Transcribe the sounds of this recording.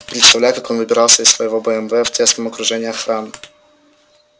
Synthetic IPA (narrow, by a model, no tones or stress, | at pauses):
pɾʲit̪st̪ɔlʲakakɔnvɨbʲɛɾawsɛɛsfɔjɛvɔbɔɛmvɛft̪ʲɛsnɛmɔkɾɔʐɛɲaxɾam